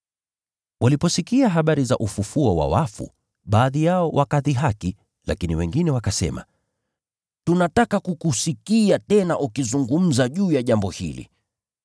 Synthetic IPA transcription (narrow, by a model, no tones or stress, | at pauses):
wʔalipɔsikiaɦaɓaɾizaʔufufuɔwa̰wafṵ | ɓaːðijaɔwʔakaðiɦaki | la̰kiniwɛŋɡinɛwakasɛ̰ma̰ | tunatakakukusikiatɛnaʔukizuŋɡum̩zaʄuːjaʄambɔhḭlḭ